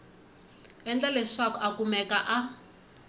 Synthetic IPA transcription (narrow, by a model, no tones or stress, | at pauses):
ɛnd͡ɮaleʂakɔʔakumɛkaʔa